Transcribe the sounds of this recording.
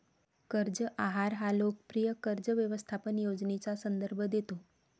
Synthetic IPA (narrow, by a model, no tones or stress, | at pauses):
kəɾd͡zəʔaɦaɾɦalok̚pɾijəkəɾd͡zəʋjəʋəst̪ʰapənjod͡znet͡sasənd̪əɾbʱəd̪et̪o